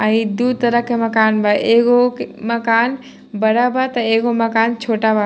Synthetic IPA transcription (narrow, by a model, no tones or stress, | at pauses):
ãĩd̪ut̪əɾəɦkemɐkaːnbʱaʔeɡokmɐkaːn | bəɾabat̪ɐeːɡomɐkaːnt͡ʃʰoːʈaba